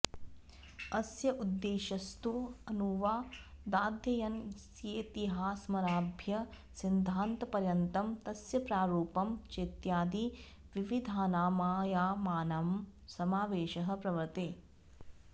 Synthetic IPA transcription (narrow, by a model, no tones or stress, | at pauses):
ɐsjɐʔud̪ːeːʃɐst̪uɐnuʋaːd̪aːd̪ʱjɐjɐnsjeːt̪iɦaːsmɐɾaːbʱjɐ | sind̪ʱaːnt̪ɐpɐɾjɐnt̪ɐmt̪ɐsjɐpɾaːɾuːpɐmt͡ʃeːt̪jaːd̪i | ʋiʋid̪ʱaːnaːmaːjaːmaːnɐmsɐmaːʋeːʃɐɦɐ̆pɾɐʋɐt̪eː